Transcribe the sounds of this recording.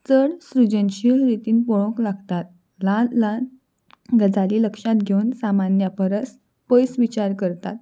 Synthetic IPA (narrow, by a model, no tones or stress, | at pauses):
t͡səɽsɾud͡ʑənɕiɾit̪iːnpɔɭõklaɡt̪at̪̚ | lãlãn | ɡəd͡zaliːləkʂat̪ɡʱewnsamanjapəɾəs | pəjsʋit͡ɕaɾkəɾt̪a̰t̪